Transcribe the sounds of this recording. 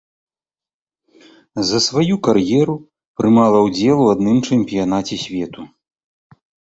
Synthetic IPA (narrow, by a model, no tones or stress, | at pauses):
zɐsvajukarjɛɾu | pɾɨmalˠɐwd͡zʲɛlˠuad̪nɨmt͡ʂɛmʲpʲijanat͡sʲɛsʲvʲɛt̪u